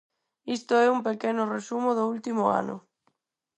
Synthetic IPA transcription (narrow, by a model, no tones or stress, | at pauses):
ist̪ʊɛumpekɛnʊresumʊðʊult̪imʊa̰nʊ̰